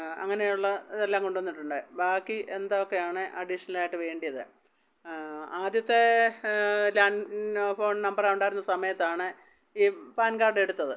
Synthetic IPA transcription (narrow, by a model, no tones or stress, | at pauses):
ɐ̰ŋːɐnejuɭːɐiðelːaːmko̞ɳɖuʋɐnːiʈːuɳɖɨbaːkːiʔe̞nd̪aokːe̞jaːɳɨʔɐɖiʂɐnɐlaːjiʈːɨʋe̞ːɳɖijɐðɨ | aːd̪jɐt̪ːe̞ | laːɳfo̞ːɳnɐmbɐraːuɳɖaːjiɾunːɐsɐmɐjɐt̪ːaːɳɨ | iːpaːnkaːrɖe̞ɽut̪ːɐðɨ